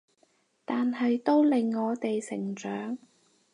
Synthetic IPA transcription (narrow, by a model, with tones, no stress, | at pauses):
t̪aː˨nɦɐ˨jt̪o˥wlɪ˨ŋːɔː˨˧t̪e˨jsɪ˨˩ŋt͡ʃœː˨˥ŋ